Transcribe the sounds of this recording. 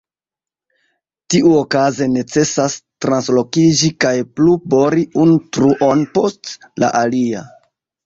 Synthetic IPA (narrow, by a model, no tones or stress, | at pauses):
tiʔuokaze̞ne̞t͡se̞sastɾanslo̞kid͡ʒikajplubo̞ɾiuntɾuʔo̞npo̞st | la̰ʔalia̰